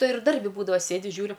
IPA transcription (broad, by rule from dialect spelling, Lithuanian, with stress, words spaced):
ˈtɐɪ ɪr ˈdɐrʲbʲɪ ˈbuːdɐʋɐ ˈsʲeːdʲɪ ˈʒʲuːrʲʊ